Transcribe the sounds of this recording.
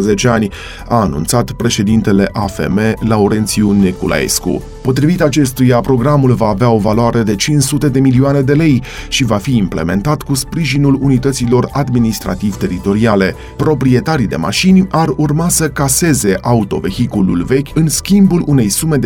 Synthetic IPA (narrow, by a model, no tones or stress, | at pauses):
zet͡ʃeanʲ | aːnṵnt̪sat̪pɾe̞ʃe̞d̪int̪e̞le̞ʔafe̞̰me̞lauɾe̞nt̪siunekulʔa̰ḛskṵ | po̞t̪ɾivit̪at͡ʃe̞st̪ujapɾo̞ɡɾamulvaːveao̞valoaɾe̞d̪e̞t͡ʃinsut̪e̞d̪e̞milioane̞d̪e̞le̞j | ʃivafiːmple̞me̞̰nt̪at̪kuspɾiʒinulunit̪ət̪silo̞rad̪minist̪ɾa̰t̪ivt̪e̞ɾit̪o̞ɾiale̞ | pɾo̞pɾie̞t̪aɾid̪e̞̰ma̰ʃinʲarurmasəkase̞ze̞ʔaut̪o̞̰ve̞çikulṵlve̞kʲɨnskʲimbulune̞jsume̞d̪